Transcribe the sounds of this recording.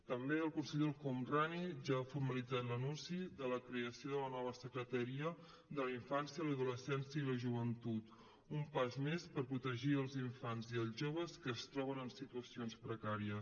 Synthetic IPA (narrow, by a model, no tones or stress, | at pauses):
t̪əmbeəlˠkunsəʎolkɔmraniʒaːfuɾməlid͡zat̪lənunsiðələkɾeəsioðələnɔβəsəkɾət̪əɾiə | ðəliɱfansjələðuləsɛnsjəiləʒuβ̞ənt̪ut̪ | umpazmespəɾpɾut̪əʒiəlˠziɱfanziəlˠzʒoβ̞əskəːst̪ɾɔβ̞ənənsit̪uəsionspɾəkaɾiə